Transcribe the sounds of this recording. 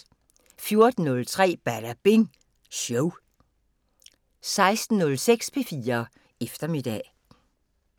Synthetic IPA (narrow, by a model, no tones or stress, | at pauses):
fjo̝ɐd̥n̩ɔ̽lt͡sʰʁɛ̰ːb̥æɾ̥æb̥e̝ŋ | ɕoʊ | sɑ̈ɪsd̥n̩nɔ̽lseɡ̥spʰe̝fiːɐ | efd̥ɐmid̥ɛ̰